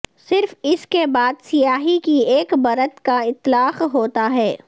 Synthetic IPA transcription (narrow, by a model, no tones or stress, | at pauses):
sɪɾfɪskebaːd̪sɪjaːɦikieːkbɐɾət̪kaɪt̪laːqɦoːt̪aɦɛː